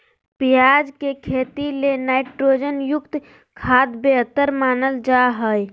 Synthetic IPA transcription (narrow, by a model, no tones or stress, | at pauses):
pijaːd͡ʒkekʰeːt̪ilenaːɪʈɾoːd͡ʒənjʊkt̪ | kʰaːd̪beɦt̪əɾmaːnəld͡ʒaːɦəj